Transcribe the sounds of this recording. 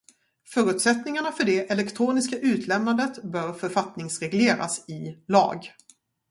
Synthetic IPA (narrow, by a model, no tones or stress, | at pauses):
fœːɾʉ̟ːt̪sɛt̪nɪŋaɳafœɖɛʔɛlɛkt̪ʰɾuːnɪskaʔʉ̟ːt̪ʰlɛmnand̪ət̪bœːɾfœɾfat̪nɪŋsɾɛɡleːɾa̰sɪlɑ̰ːɡ